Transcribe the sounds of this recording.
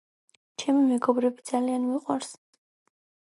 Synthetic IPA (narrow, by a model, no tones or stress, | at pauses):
t͡ʃʰɛmimɛɡɔbɾɛbid̪z̥alianmiqʼwaɾs